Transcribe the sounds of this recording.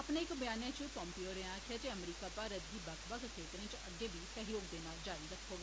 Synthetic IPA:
əpneːɪkbjaːnẽːt͡ʃiːpɔ̃ːmpioːɾẽãːkʰaːt̪eːəmɾiːkaːpaːɾəd̪iːbəkʰbəkkʰeːt̪ɾẽːt͡ʃəɡeːbiːsəɦjoːɡd̪eːnaːld͡ʒaːɾiːɾəkʰːoːɡaː

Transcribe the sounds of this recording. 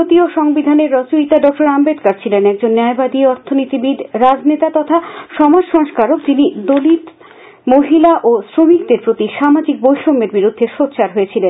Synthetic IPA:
ot̪ioʃɔŋbid̪ʱaneɾːɔt͡ɕuɾit̪aɖɔk̚ʈoɾambed̪kaɾt͡ɕʰilenɛk̚d͡ʑonːaebad̪iɔɾt̪ʰonit̪ibid̪ɾad͡ʑnet̪at̪ɔt̪ʰaʃɔmad͡ʑʃɔŋʃkaɾokd͡ʑinid̪olit̪ | moɦilaʔosɾomik̚d̪eɾpɾot̪iʃamad͡ʑik̚bojʃoŋeɾbiɾud̪ʱːeʃotːɕʰaɾɦojet͡ɕʰilen

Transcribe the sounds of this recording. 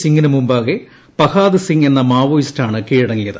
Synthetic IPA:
siŋɡinɨmumbaːɣe | pɐkaːðɨsiŋɡe̞nːɐmaːʋoːistaːɳɨkeːɻiɽɐŋːiljɐðɨ

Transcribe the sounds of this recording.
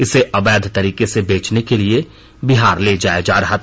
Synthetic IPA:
ɪseʔɐbɛːd̪ʱt̪ɐɾiːkesebeːt͡ʃnekelie | biɦaːɾleːd͡ʒaːed͡ʒaːɾɐɦat̪

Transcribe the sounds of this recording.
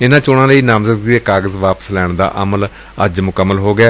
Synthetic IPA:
ɪnãːt͡ʃoːɽãːləiːnamzət̪̚ɡeːkaːɡəzʋaːpə̥slɛːɳd̪a̰ːʔəməl | əd͡ʒmʊkəmːəlɦoːɡɪaː

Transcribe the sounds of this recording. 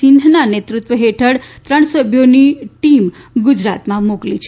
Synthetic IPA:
ɪnd̪ʱnanet̪ɾut̪ʋəɦeʈʰəɽt̪ɾəɳ̃səbʱjoniʈimɡud͡ʒɾat̪mãmoklit͡ʃʰ

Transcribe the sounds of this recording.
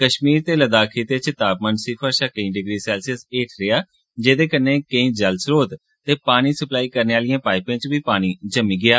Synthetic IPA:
kəʃmiːɾt̪eːləd̪aːkʰiːt̪eːt͡ʃɪt̪aːpmənsɪpʰəɾʃəkəĩːɖɪɡɾiːsɛːlsɪseːʈʰɾɪaː | d͡ʒeːd̪eːkənːeːkə̃ĩːd͡ʒəlsɾoːt̪ | t̪eːpaːɽ̃iːsəplaːiːkəɾneːaːlɪjãːpaːɪpẽːt͡ʃbiːpaːɽ̃iːd͡ʒəmiːɡɪaː

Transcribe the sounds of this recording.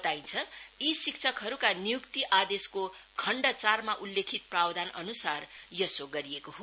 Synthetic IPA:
t̪aint͡sʰʌisik̚t͡sʰʌkɦʌɾukanijukt̪iʔad̪esko | kʰʌɳɖʌt͡sarmaʔulːekʰit̪̚prawd̪ʱanʔʌ̰nusarjʌsoɡʌɾiekoɦo

